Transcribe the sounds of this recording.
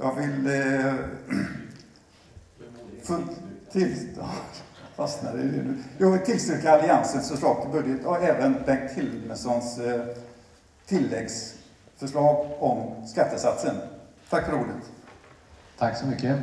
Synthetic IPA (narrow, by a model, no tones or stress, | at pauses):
jɑ̰ːɡvɪl | ft̪ʰɪl | fasnad̪ɛɛ̰nːʉjɑːɡvɪlt̪ʰɪlst̪ɾʉːkːaːlɪansənsɔʂɭɑːk̚pʰɔbɵd̪jət̪ʰɔɛːvənbɛŋkt̪hɪlməsɔns | t̪ʰɪlːɛɡs | fœʂɭɑːɡɔmskat̪ːəsat̪sən | t̪ʰakːfœɾuːd̪ət̪ | t̪ʰaksɔmʏkːə